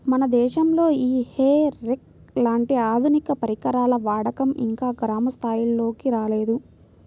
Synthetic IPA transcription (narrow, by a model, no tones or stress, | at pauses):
mɐnɐd̪ɛːʃɐmlo̞ːiːheːɾek̚ | laːɳʈiaːd̪ʱunikɐpɐɾikɐɾaːlɐʋaːɽɐkɐmḭŋkaːɡɾaːmɐst̪ʰaːjio̞ːkiɾaːle̞ːd̪u